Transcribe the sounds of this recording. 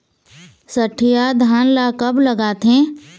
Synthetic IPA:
sɐʈʰːijaːd̪ʱaːnlaːkɐbləɡaːt̪ɦɛ̃ː

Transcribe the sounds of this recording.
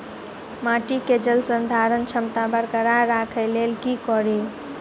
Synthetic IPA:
maʈiked͡ʒəlsənd̪ʱaɾənt͡ʃʰəmt̪abəɾkəɾaɾakʰɛlelkikɔɾi

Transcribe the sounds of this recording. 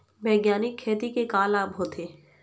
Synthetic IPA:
bɛːɡjaːnɪkʰːeːt̪ikekaːlaːbʱoːt̪ʰeː

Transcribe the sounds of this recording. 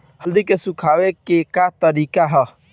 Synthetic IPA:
həld̪ikesukʰawekekat̪əɾikaɦə

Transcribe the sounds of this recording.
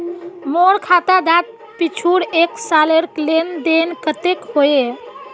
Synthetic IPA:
moɽkʰat̪ad̪at̪̚ | pit͡ʃʰuɽeksaleɾklend̪enkət̪ekhoe

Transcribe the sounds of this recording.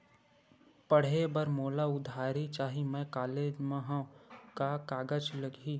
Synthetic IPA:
pəɽ̤ebəɾmoːlaʊd̪ʱaːɾit͡ʃaːɦimɛ̃kaːleːd͡ʒmẽɦãkakaːɡəd͡ʒləɡi

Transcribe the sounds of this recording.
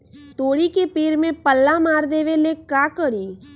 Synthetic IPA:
t̪oːɽikepeːɾmẽpəlːamaːɾd̪eːʋelekaːkəɽiː

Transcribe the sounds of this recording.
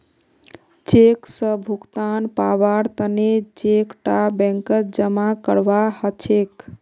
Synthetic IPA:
t͡ʃeksəbʱukt̪anpabaɾt̪ənet͡ʃekʈabɛ̃ŋkəd͡ʒəmakəɾʋahət͡ʃʰek

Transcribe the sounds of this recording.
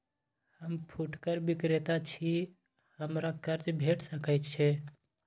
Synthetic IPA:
həmpʰuʈkəɾbikɾet̪at͡ʃʰi | həmɾakəɾt͡ʃbʱeʈsəkəɪt̪t͡ʃʰɛ

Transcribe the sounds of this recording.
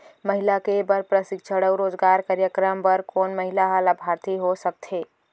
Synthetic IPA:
məɦilakebəɾpɾəsɪɡt͡ʃʰəɽəwɾoːd͡ʒɡaːɾkaːɾjəkɾəmpəɾkoːnməɦilaɦalabʱaːɾt̪iɦosək̚t̪ʰeː

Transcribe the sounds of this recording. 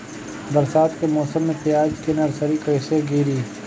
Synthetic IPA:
bɐɾsaːt̪kemɔːsəmːẽp̪ɪjaːd͡ʒkɪnɐɾsɐɾikɐjseɡiːɾiː

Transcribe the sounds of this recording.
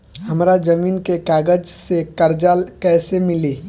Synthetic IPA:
həmɾad͡ʒəmiːnkekaːɡəd͡ʒsekəɾd͡ʒalkɛːsemɪli

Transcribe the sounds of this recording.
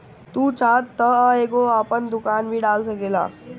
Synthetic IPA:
t̪uːt͡ʃaːt̪ːəeːkoəpənd̪ʊkaːnbʱiɖaːlsəkeːla̰ː

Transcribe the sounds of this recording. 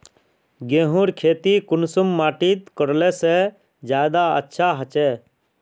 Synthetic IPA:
ɡẽːɦũɾkʰeːt̪ikʊnsʊmːaːʈiːt̪kəɾlese | d͡ʒjaːd̪aə̰tːʃʰaɦət͡ʃeː

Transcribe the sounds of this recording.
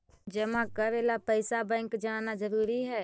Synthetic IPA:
d͡ʒəmãkəɾeːlapəɪsabɛ̃ŋkd͡ʒaːnad͡ʒəɾuːɾiɦɛː

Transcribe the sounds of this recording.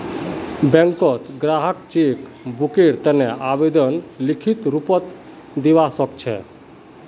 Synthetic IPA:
bɛŋkɔt̪ɡɾaɦəkt͡ʃik | bukiɾt̪əneʔabed̪ɔnlikʰit̪ɾupɔt̪ | d̪ibasɔkt͡ʃʰɛ̰

